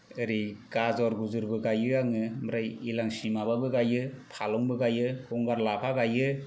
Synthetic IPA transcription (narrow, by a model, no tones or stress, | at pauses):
ɯɾiɡ̥azɔɾɡuzɯɾbɯɡajɯaŋɯmɾajilaŋsimababɯɡajɯpʰalɔŋbɯɡajɯhɔŋɡaɾlapʰaɡajɯ